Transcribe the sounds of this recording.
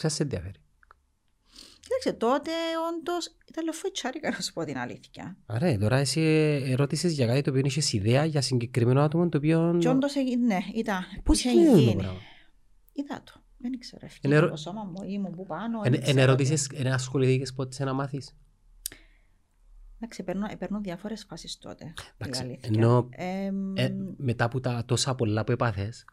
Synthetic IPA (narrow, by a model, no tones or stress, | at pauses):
sɐsːenðiɐfeɾi̥ | cit̪ɐkset̪ot̪eond̪os | it̪ɐlːeofːoit͡ʃʰːɐɾikɐnsu̥pot̪inɐ̰lḭθçɐ̰ɐɾet̪o̞ɾɐesiːɾo̞t̪isezʝɐkat̪it̪opioniçesiðeɐʝɐsiɲɟekɾimenoat̪omont̪oːpionond̪oseineit̪ɐpusenobɐ̰vɐ | it̪ɐ̰t̪o̥ | meniksḛɾefeneɾot̪osomɐmːuimubupɐnoeneneɾo̞t̪̬is̬eseneɐsxo̞liθicespot̪senɐmɐθis | d̪ɐksipeɾnuepeɾnunðjɐfoɾesfɐsist̪o̰t̪ed̪ɐkssiliθeno̞e | me̞t̪ɐput̪ɐt̪o̞sɐpo̞lːɐpue̞pɐθe̞s